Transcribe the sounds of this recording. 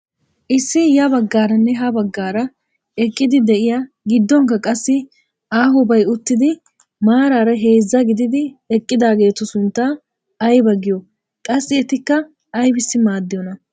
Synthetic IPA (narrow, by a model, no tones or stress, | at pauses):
ʔɪsːɪjɐbɐɡːaːɾɐnːɛɦɐbɐɡːaːɾɐ | ɛkʼːɪd̪ɪd̪ɛʔɪja | ɡɪd̪ːɔŋkːɐkʼɐsːɪ | aːɦʊbɐjʊt̪ːɪd̪ɪ | maːɾaːɾɐɦe̞ːzːɐɡɪd̪ɪd̪ɪɛkʼːɪd̪aːɡe̞ːt̪ʊsʊnt̪ːa | ɐjbɐɡɪjɔ | kʼɐsːɪɛt̪ɪkːɐ | ɐjbɪsːɪmaːd̪ːɪjɔnɐ